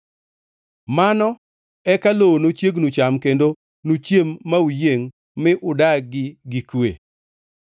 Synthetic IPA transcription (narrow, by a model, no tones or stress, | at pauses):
manɔ | ɛkalonot͡ʃjeɡnut͡ʃamkendo | nut͡ʃjemːaujeŋ | mɪʔʊdaɡɪɡikwḛ